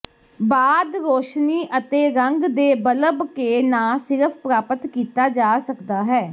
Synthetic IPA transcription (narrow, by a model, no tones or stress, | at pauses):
baːd̪ɾoːʃniːʔət̪eːɾəŋɡd̪eːbələbkeːnãːsɪɾəpʰpɾaːpət̪kiːt̪aːd͡ʒaːsəkd̪aːɦɛː